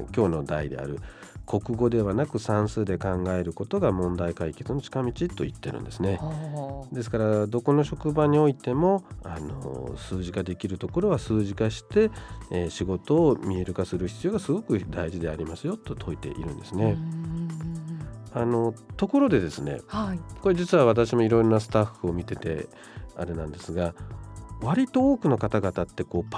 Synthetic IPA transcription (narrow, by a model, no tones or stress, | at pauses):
kʲo̞ːno̞d̪aid̪e̞̰a̰ɾɯ̟ | kʰo̞kɯ̟ɡo̞d̪e̞βanakɯ̟sãɰ̃sɨːd̪e̞kãŋɡae̞ɾɯ̟ko̞t̪o̞ɡamõ̞nd̪aikaike̞t͡sɨno̞t͡ɕi̥kamʲit͡ɕit̪ːo̞it̪ːe̞ɾɯ̟̰̃nd̪e̞sɨne̞ | d̪e̞sɨ̥kaɾad̪o̞ko̞no̞ɕo̞kɯ̟baɲ̟io̞it̪e̞mo̞ano̞̰sɨːʑikad̪e̞kʲiɾɯ̟t̪o̞ko̞ɾo̞βasɨːʑikaɕi̥t̪e̞ɕiɡo̞t̪o̞ːmʲie̞ɾɯ̟kasɨɾɯ̟çi̥t͡sɨjoɡasɨɡo̞kɯ̟d̪aiʑid̪e̞aɾʲimasɨjo̞t̪ːo̞t̪ʰo̞it̪e̞̰ʔḭɾɯ̟̃nd̪e̞sɨne̞ | ano̞t̪o̞ko̞ɾo̞d̪e̞d̪e̞sɨne̞̰haiko̞ɾed͡ʑit͡sɨβaβ̞at̪̬aɕimo̞iɾo̞iɾo̞nasɨ̥t̪ahɸːɯ̟o̞mʲit̪e̞t̪e̞̰ | aɾe̞nãnd̪e̞sɨɡa | βaɾʲit̪o̞oːkɯ̟no̞kat̪aɡat̪at̪ːe̞ko̞ːp